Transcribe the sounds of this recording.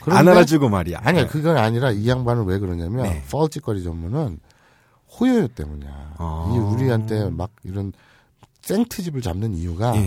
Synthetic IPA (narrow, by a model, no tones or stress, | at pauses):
kɯɾʌnaad͡ʑuɡomaɾia̰aɲiakɯɡʌɾaɲiɾaijaŋbanɯnwe̞kɯɾʌɲamjʌnfʰʌɭt͡ɕ͈ʰik͈ʌɾid͡ʑʌmːunɯn | hojojot͈e̞̰muɲa̰iuɾiɦantʰe̞maɡ̚iɾʌn | s͈eŋtʰɯd͡ʑibɯɭt͡ɕamnɯnijuɡa